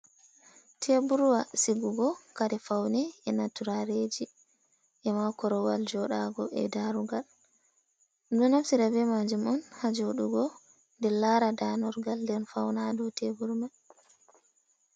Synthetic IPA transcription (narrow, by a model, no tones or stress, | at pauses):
tʰebuɾwasiɡuɡɔkaɾɛfawnɛɛnatuɾaɾed͡ʒi | ʔɛmakɔɾɔwald͡ʒɔɗaɡɔɛ̰daɾuɡal | dɔnafsiɾabɛmad͡ʒumɔnhad͡ʒoɗuɡɔ | ndɛlaɾadanɔɾɡaldɛnfawnadɔtʰebuɾma